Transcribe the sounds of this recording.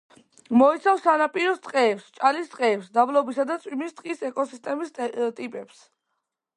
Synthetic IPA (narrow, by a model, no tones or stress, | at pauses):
mɔit̪sʰafsanapʼiɾɔst̪sʼqʼɛːpst͡ʃʼalist̪ʼqʼɛːpsd̪ablɔbisad̪at̪sʼwimist̪ʼqʼisɛkʼɔsist̪ʼɛmist̪ʼipʼɛps